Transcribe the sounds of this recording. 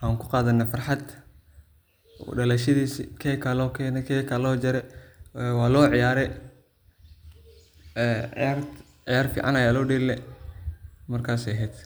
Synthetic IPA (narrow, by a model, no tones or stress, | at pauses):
ʔaːŋkʰʊqɑːðɐnːaːfɑrħɑd̪ | ɔ̰ɖɐlɛʃɐðiːsikʰɛkʰɐlɔːkʰɛːnɛkʰɛːkʰɐlɔːd͡ʒɐɾɛɛwɑːlɔːʕɪjaːɾɛ | ɛːar | ʕɪjaːrfḭːʕɑ̰nɐjalɔːɖiːɾlɛ | mɐrkʰaːsɛɦɛːd̪